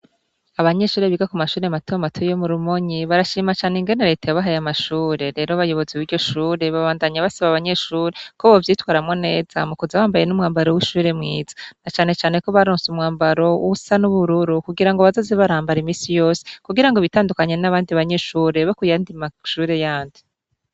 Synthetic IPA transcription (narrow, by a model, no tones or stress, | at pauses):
aβaɲe̞ʃuːɾe̞βiɡakumaʃuːɾematojomatʰojomuɾumoɲiβaɾaʃiːmat͡ʃaːneŋɡe̞neɾe̞ːtajoβaɦajamaʃuːɾe̞ɾe̞ːɾoβajo̞βo̞ziwiːɾɟo̞ʃuːɾe̞βaβaːndaɲaβasaβaβaɲe̞ʃuːɾe̞koβovjiːtwaːɾamŋo̞ne̞ːz̥a̰mukuzaβaːmbaje̞numŋaːmbaɾo̞wiʃuːɾe̞mŋiːzḁnat͡ʃaːne̞t͡ʃaːne̞ko̞βaɾoːnsumŋaːmbaɾo̞ṵusanuβuɾuɾukuɡiɾaŋɡoβazozeβaɾaːmbaɾimiːsijo̞ːse̥kuɡiɾaŋɡoβitaːndukaɲe̞naβaːndiβaɲe̞ʃuːɾe̞βakujaːndimaʃuːɾe̞jaːndi